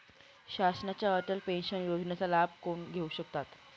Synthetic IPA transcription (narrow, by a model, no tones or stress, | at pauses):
ɕasnat͡ɕjaəʈəlpenɕənjod͡znat͡salab̚koɳɡʱeuɕəkt̪at̪